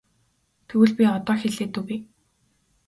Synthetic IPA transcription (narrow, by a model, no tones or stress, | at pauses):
t̪ʰɵɣɘ̆ɮpʲiɔt̪ɔːxeɮeːt̪ŭki